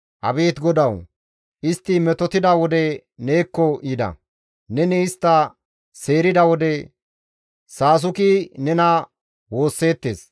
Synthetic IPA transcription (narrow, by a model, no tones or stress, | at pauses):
hɐ̰beːt̪ɡɔd̪ɐw | ʔɪst̪ːɪmɛt̪ɔt̪ɪd̪ɐwɔd̪ɛ | ne̞ːkːɔʔiːd̪ɐ̰ | nɛnɛɪst̪ːɐ | se̞ːɾɪd̪ɐwɔd̪ɛ | saːs̬ʊkinɛnɐ | wo̞ːsːe̞ːt̪ːe̞̰ːs